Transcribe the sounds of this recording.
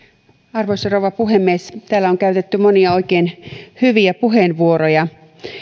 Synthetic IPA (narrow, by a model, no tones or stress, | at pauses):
ɑrʋoisɑrowʋɑpuɦemːiest̪æːlːæoŋkæɥt̪et̪ːymoniɑo̞ikeːnhyʋiæpuɦenʋuoɾojɑ